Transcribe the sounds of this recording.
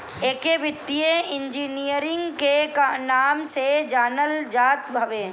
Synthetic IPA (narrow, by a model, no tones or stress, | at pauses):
eːkeʋɪt̪ːijeɪnd͡ʒiːnijəɾɪ̃ŋɡkekanaːmsed͡ʒaːnəld͡ʒaːt̪bʱəʋẽː